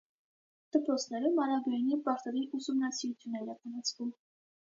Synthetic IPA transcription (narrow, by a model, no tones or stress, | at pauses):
d̪̥əpɾɔt͡sʰnɛɾumɑɾɑɡɑjnipɑɾt̪ɛviʔusumnɑsiɾut͡sʰjunɛlɑkɑnɑt͡sʰvum